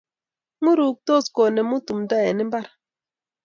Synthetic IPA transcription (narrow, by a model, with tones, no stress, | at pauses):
mu˦ɾu˨k̚tɔ˦˨skɔ˨nɛ˨mu˦tu˨mda˦˨jɛ˨ni˦mba˦ɾ